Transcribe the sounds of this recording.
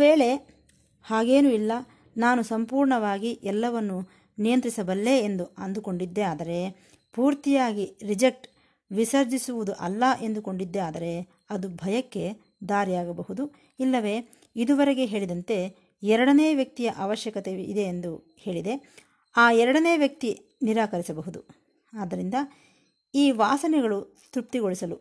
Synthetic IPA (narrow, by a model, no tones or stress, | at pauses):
ʋeːɭe̞ | haːɡe̞ːnuilːɐ | naːnusɐmpuːɾɳɐʋaːɡiʔɛlːɐʋɐnːu | nijɐnt̪ɾisɐbɐlːe̞end̪uɐnd̪uko̞ɳɖid̪ːe̞aːd̪ɐɾe̞ | puːɾt̪ijaːɡiɾid͡ʒek̚ʈ | ʋisɐɾd͡ʒisuʋud̪uʔɐ̰lːɐʔe̞nd̪uko̞ɳɖid̪ːeaːd̪ɐɾe̞ | ɐd̪ubʱɐjɐkːe̞ | d̪aːɾijaːɡɐbɐɦud̪u | ilːɐʋe̞ː | id̪uʋɐɾeɡe̞ɦeːɭid̪ɐnt̪e̞ | ɛɾɐɽɐneːʋjɐk̚t̪ijɐʔɐːʋɐʃjɐkɐt̪eḭd̪e̞ːnd̪u | he̞ːɭid̪e̞ | aːɛɾɐɽɐne̞ːʋjɐk̚t̪i | niɾaːkɐɾisɐbɐɦud̪u | aːd̪ːɐɾind̪ɐ | iːʋaːsɐnɛɡɐɭu | t̪ɾup̚t̪iɡo̞ɭisɐlu